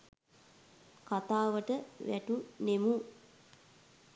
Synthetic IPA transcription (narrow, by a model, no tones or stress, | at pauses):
kat̪aːʋəʈəʋæ̰ʈunemu